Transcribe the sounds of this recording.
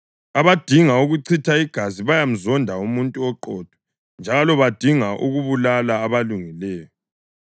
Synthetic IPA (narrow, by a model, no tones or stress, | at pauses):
aβad̥ʱiŋauɣuǀʰitʰaiɡ̥ʱaziβajam̩zɔndʱaumuntʼuɔǃɔd̥ʱwɔ̥ | nd͡ʒʱalɔβad̥ʱiŋaʔṵɣuβulalaːβaluŋilɛːjɔ